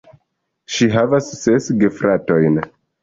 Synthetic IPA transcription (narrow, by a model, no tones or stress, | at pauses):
ʃiɦavasːesɡefɾʔato̞jn